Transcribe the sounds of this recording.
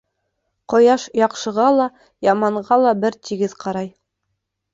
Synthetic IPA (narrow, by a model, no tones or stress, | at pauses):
qŏjɑʃjɑqʃɤ̆ʁɑlˠɑ | jɑmɑɴɢɑlˠɑbɘɾt̪ʰiɡɘð̥qʰɑɾɑj